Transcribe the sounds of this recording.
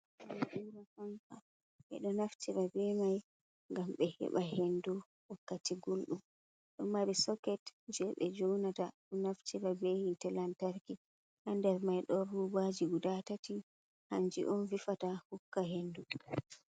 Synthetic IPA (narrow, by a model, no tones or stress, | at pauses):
ʔuɾahanfa | ɓɛ̰ɗɔnaftʰiɾabɛmaj | ŋɡamɓɛhɛ̰ɓaɦendu | wakːatʰiɡulɗum | ɗɔmːaɓɛsɔkɛtd͡ʒɛɓɛ̰d͡ʒownataɗɔnaftʰiɾabehintɛlantaɾki | ʔandɛɾmajɗɔɾuwad͡ʒiɡudatati | hand͡ʒḭʔɔnvifatahukːaɦendu